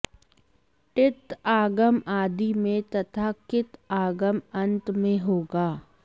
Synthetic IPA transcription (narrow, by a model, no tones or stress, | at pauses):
ʈɪt̪aːɡəmaːd̪imẽt̪ɐt̪ʰakɪt̪aːɡəmɐ̃nt̪mẽɦoːɡaː